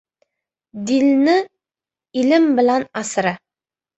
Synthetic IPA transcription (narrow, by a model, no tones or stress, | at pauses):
d̪ilnɪ | ilɪmbɪ̆lænɑsəɾɑ